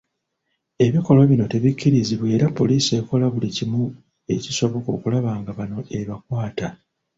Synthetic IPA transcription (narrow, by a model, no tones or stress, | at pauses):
e̞βiko̞lo̞βino̞te̞βicʰːiɾiziβwe̞ːɾapːo̞liːse̞ːko̞laβulicimu | e̞ciso̞βo̞ko̞̰ːkulaβaːŋɡaβano̞ʔe̞βakwaːta